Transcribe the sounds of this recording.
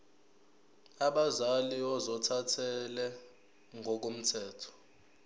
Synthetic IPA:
aɓazaliɔzɔtʰatʰɛlɛ | ŋʱɔk̬om̩tʰɛːtʰɔ̥

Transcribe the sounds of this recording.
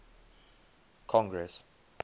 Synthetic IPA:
kʰɔ̃ŋɡɹɛs

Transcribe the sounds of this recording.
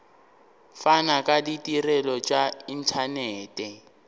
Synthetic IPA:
fanakʼaditʼirɛlɔt͡ʃʼain̩tʰanɛːtʼɛ

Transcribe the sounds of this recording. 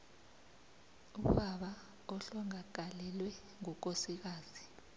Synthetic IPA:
uɓaɓa | ɔɬɔŋaɡ̥̬ʱalɛlwɛ | ŋɔk̬ʼosik̬aːzi

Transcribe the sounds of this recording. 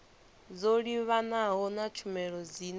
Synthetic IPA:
d͡zoɺiβanaɦɔnat͡ʃʰumɛɺɔd͡zin

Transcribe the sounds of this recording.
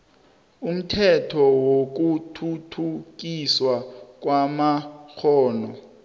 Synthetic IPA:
um̩tʰɛtʰɔwok̬utʰutʰuk̬iswak̬wamaxʰɔːnɔ

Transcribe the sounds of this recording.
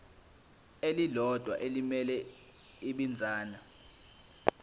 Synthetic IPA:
elilɔd̥ʱwa̰ʔelimɛlɛ | iɓind͡zʱaːna

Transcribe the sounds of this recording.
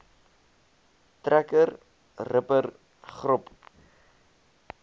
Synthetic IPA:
trækər | rəpər | χrɔp

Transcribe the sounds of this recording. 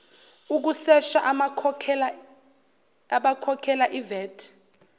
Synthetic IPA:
uk̬usɛʃa̰ʔʰ | aɓakʰɔkʰɛlaʔivɛːtʰ

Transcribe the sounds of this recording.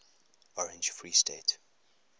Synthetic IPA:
ɔɹɛ̃nd͡ʒfɹiːstet

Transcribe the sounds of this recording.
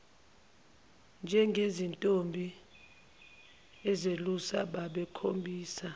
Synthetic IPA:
nd͡ʒʱɛŋɡʱezintʼombʱi | ɛzelusa̰ɓaɓɛkʰombʱiːsa

